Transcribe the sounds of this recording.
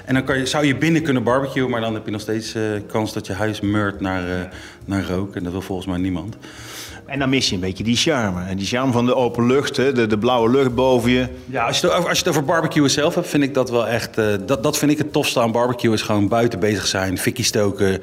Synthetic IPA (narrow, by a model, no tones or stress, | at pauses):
ʔɛndɑnkɑjəzʌwjəbɪnəkɵnəbɑɹbəkjuəmaːɹdɑnɦɛpjənɔχstejtsəkɑnsdɑtjəɦœɥsmøɹtnaːɹə | naːɹrowkɛndɑtʋɪlˠvɔlˠχən̩smɛjnimɑnt | ɛndɑnmɪsjəəmbejcədiʃɑɹmədiʃɑɹmvɑndəowpənlɵχtɦɛdədəblʌwəlɵχt̚bowvəjə | jaɑsjətoɑlsjətowvəɹbɑɹbəkjuəsɛlˠfɦɛp̚tfɪndɪɡ̚dɑtʋɛlˠɛχtəddɑtfɪndɪkətɔfstəaːnbɑɹbəkjuɪsχʋownbœɥtəbejzəχsɛjnfɪkistowkə